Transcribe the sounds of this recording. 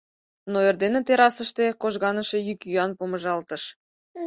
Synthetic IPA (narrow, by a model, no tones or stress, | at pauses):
noerd̪enet̪eɾɑsəʃt̪ekoʒɣɑnəʃejykyɑnpoməʒɑlt̪əʃ